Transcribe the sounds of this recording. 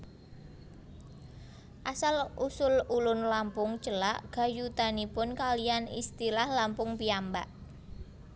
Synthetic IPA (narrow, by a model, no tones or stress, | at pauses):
ʔasalʔusʊlulʊnlampʊŋt͡ʃəlaʔɡ̥a̤jut̪anipʊnkalijanḭst̪ilahlampʊŋpiamba̰ʔ